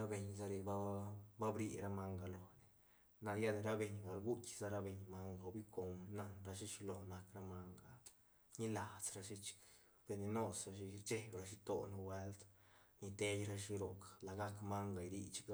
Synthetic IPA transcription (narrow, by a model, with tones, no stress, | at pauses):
ɾa˦be˧ɲza˧ɾe˧ba˦ba˦bɾḭ˧ɾa˧ma˧ŋɡa˨lo˨ne˨ | na˧lja˦d̪e˧ɾa˦be˧ɲɡa˨lɡu˦tʲza˧˦ɾa˧be˨ɲma˧ŋɡa˨wbi˦ko˧mna˧nɾa˧ʃ̬i˦t͡ʃi˧lo˨na˧kɾa˧ma˧ŋɡa˨ | ɲi˦la˨t͡sɾa˧ʃi˧t͡ʃi̥˨˧k | b̥e˧ni˧no˦sa˧ʃi˧t͡ʃe˦bɾa˧ʃ̬i˧t̪o˧na˧we˦lt̪ni˧t̪e˧jɾa˧ʃi˧ɾo˨kḁ˨la˨ɡa˦kma˦ŋɡa˨jɾḭ˧t͡ʃi̥˧ka˧˦